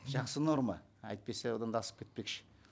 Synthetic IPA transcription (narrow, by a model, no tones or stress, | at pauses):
ʒɑqsəno̞rmɑ | ɑ̰jt̪̚pesewod̪ɑnd̪ɑsə̥p̚kʲʰet̪̚pe̞kʃɪ̥